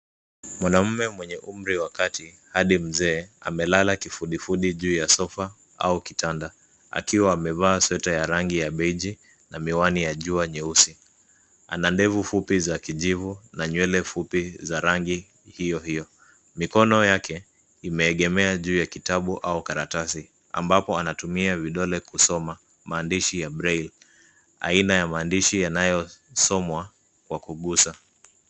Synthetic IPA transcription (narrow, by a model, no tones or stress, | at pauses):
mwanam̩mɛmwɛɲɛʔum̩ɾiwakati | haɗim̩zɛːa̰mɛlalakifuɗifuɗiʄuːjasɔfa | a̰ukitanda | a̰kiwaːmɛvaːswɛtajaɾaŋɡijaɓɛiʄi | namiwanijaʄuaɲɛusi | a̰nandɛvufupizakiʄivunaɲwɛlɛfupizaɾaŋɡi | hijɔhijɔ | mikɔnɔjakʰɛ | imɛːɠɛmɛaʄuːjakitaɓuʔaukaɾatasi | a̰mbapɔanatumiaviɗɔlɛkusɔma | maːndiʃijaɓɾɛil | a̰inajamaːndiʃijanajɔsɔmwa | kwakuɠusa